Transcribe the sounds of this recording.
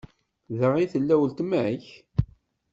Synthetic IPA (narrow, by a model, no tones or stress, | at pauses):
ðəʁiθəlːæwəlt̪mæç